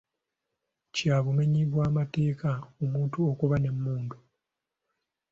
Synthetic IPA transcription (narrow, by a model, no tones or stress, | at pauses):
caːβume̞ɲiβwaːmate̞ːkaomuːntuokuβane̞mːuːndu